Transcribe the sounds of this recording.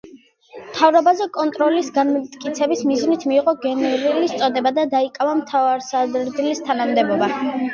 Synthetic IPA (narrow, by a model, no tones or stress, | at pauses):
mt̪ʰavɾɔbazɛkʼɔnt̪ʼɾɔlisɡanmt̪ʼkʼit̪sʰɛbismiznit̪ʰmiːʁɔɡɛnɛɾilist̪sʼɔd̪ɛbad̪ad̪aikʼavamt̪ʰavaɾsadɾd̪ilist̪ʰanamd̪ɛbɔba